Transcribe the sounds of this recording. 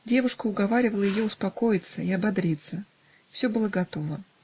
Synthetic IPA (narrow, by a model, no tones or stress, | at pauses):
dʲe̞vʊʂkəʊɡɐvaɾʲɪvəlˠəjɪjo̞ʊspɐko̞jɪt̪səɪɐbɐd̪ɾʲit̪sə | fsʲo̞bɨlˠəɡɐt̪o̞və